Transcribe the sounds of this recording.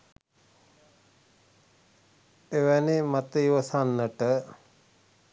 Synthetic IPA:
eʋænemat̪əiʋəsanːəʈə

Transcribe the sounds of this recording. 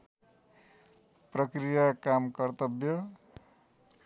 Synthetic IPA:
prʌkrijakamkʌrt̪ʌbjʌ

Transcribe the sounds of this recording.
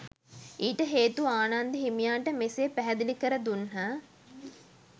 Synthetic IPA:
iːʈəɦeːt̪uaːnand̪əɦimijaːʈəmeseːpæɦɛd̪ilikəɾəd̪unɦaː

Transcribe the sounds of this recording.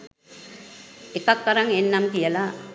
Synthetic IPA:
ekakːaɾaŋenːamkijəla

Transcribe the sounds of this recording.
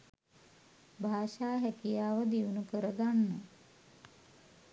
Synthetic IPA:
bʱaːʃaːɦækijaːʋəd̪iunukəɾəɡanːə

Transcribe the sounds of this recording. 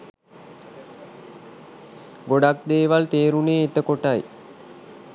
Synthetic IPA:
ɡoɖakd̪eːʋalt̪eːɾuneːet̪əkoʈaj

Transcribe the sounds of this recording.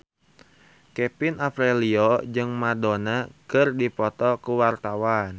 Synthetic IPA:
kɛpinafɾɛliɔd͡ʒɨŋmadonakɨrdipɔt̪ɔkuwart̪awan

